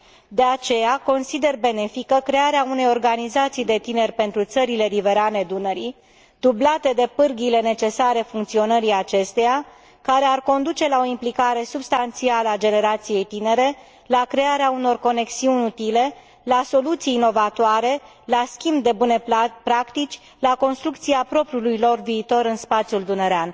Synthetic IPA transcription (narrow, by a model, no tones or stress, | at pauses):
d̪e̞at͡ʃe̞jako̞nsid̪e̞rbe̞ne̞fikəkɾe̞aɾeaune̞jo̞rɡanizat̪sijd̪e̞t̪ine̞rʲpe̞nt̪ɾut̪səɾile̞ɾive̞ɾane̞d̪unəɾi | d̪ublat̪e̞d̪e̞pɨrɡile̞ne̞t͡ʃe̞saɾe̞fuŋk̚t̪sio̞nəɾiat͡ʃe̞st̪e̞ja | kaɾe̞arko̞nd̪ut͡ʃe̞lao̞implikaɾe̞subst̪ant̪sialəad͡ʒe̞ne̞ɾat̪sije̞jt̪ine̞ɾe̞ | lakɾe̞aɾeauno̞rko̞ne̞ksiunʲut̪ile̞ | laso̞lut̪siːno̞vat̪oaɾe̞ | laskʲimbd̪e̞bune̞pɾakt̪it͡ʃʲ | lako̞nst̪ɾukt̪siapɾo̞pɾiulujlo̞rviːt̪o̞ɾɨnspat̪sjuld̪unəɾean